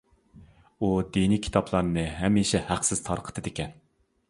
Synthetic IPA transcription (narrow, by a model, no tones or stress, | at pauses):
ud̪inikʲʰi̥t̪ʰɑpʰlˠɑɾnɨɦɛmiʃɛhæqsɪz̥t̪ʰɑɾqʰə̥t̪ʰɨd̪ɪkʲʰɛn